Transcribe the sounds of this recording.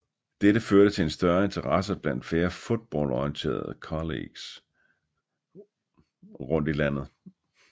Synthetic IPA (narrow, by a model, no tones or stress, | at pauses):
d̥eɾ̥əføɐɾ̥ət͡sʰe̝e̝nsd̥ɶɐe̝nt͡sʰɐʁɑs̬ɐb̥læn̰d̥fle̝ːɐfod̥̚b̥ɒ̰ːlɒiənt͡sʰe̝̰ːɐðˠəkʰɒlḛɡ̥s | ʁɔ̽n̰d̥ilæn̰ð̞̩ˠ